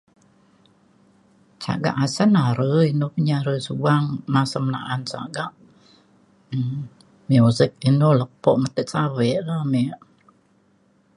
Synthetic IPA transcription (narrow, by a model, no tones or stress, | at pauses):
t͡ʃa̰ɡa̰ʔasanaɾəinopəɲaɾəsuwaŋnasəmna̰ʔansa̰ɡaʔ | miuzɪk̚inoləpɔʔmət̪əʔsawɛʔlameʔ